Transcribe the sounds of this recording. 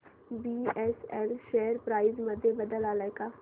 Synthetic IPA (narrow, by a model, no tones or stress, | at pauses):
biːɛːsɛːlʃɛːəɾpɾaːiːzməd̪eːbəd̪əlaːləjkaː